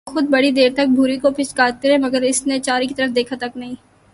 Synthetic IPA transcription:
xʊd̪̚bɐɽid̪eːɾt̪ɐk̚bʱuːɾikopʰɪʃkaːt̪eɦɛ̃mɐɡəɾɪsnet͡ʃaːɾikit̪ɐɾəfd̪eːkʰat̪ɐknɐɦĩː

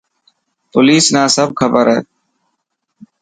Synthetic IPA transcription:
poːliːsnãːsəb̚kʰəbəɾɦɛː

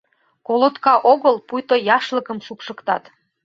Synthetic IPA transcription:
kolot̪kɑʔoɣəlpujt̪ojɑʃləkəmʃupʃə̆kt̪ɑt̪

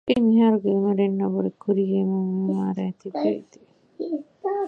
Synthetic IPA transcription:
emiɦaɾuɡemɐɾenːɐboɾekuɾiɡemoumaːɾɛːt̪iḛd̪e

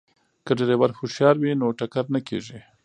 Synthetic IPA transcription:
kəɖeɾewaɾxoʃjɑɾwinoʈakaɾnakḛʒi

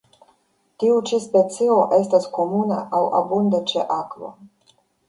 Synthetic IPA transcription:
t̪iut͡ʃispet̪sio̞ʔestasko̞muna̰ʔawa̰bund̪at͡ʃeʔakvo̰

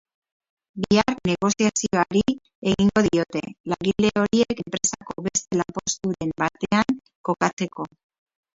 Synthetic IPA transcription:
biaɾne̞ɣo̞siasio̞aɾi | e̞ɣiŋɡo̞ðio̞t̪e̞laŋɣile̞o̞ɾie̞kempɾe̞sako̞βe̞st̪e̞lampo̞st̪uɾe̞mbat̪e̞aŋ | ko̞kat͡se̞ko̞

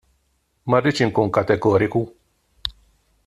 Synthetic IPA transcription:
mɐrːit͡ʃɪŋkuːŋkɐt̪ɛɡɔːɾɪku

